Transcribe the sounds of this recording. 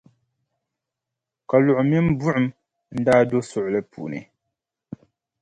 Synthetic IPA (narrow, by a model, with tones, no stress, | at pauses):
ka˨lʊ˨ʔʊ˨mi˦m˦bu˦ʔʊ˨m | n̩˦daː˦do˦sʊ˨ʔʊ˨lɨ˦pṵ˨nɨ̰˨